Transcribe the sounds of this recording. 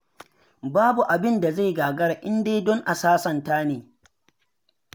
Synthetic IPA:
baː˦bu˨ʔa˨bɪ˦nda˨za˦˨jɡaː˨ɡɐ˦ɽa˨ʔɪ˦ndeː˦jdɔ˦ŋʔa˨saː˦sɐ˨ntaː˦neː˨

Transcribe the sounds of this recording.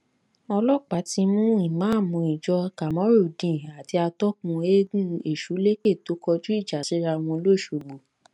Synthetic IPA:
ɔ˧lɔ˦k͡pa˨˦ti˧mũ˦i˦˨mãː˨˦˨mũ˧i˨d͡ʒɔ˧ka˨mɔ̃˨˦ɾo˦˨dĩ˨a˨ti˧a˧tɔ˦kũ˧e˦ɡũ˦e˨ʃu˨˦le˦ke˦˨to˨˦kɔ˧d͡ʒu˦i˦˨d͡ʒa˨si˨˦ɾa˧w̃ɔ̃˧lo˦˨ʃo˨ɡ͡bo˨

